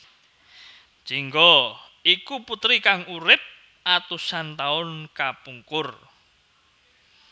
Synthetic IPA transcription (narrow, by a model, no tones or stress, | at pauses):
d͡ʒ̥iŋɡɔ | ikuput̪ɾikaŋuɾɪp̚ | ʔat̪usant̪aʊnkapuŋkʊr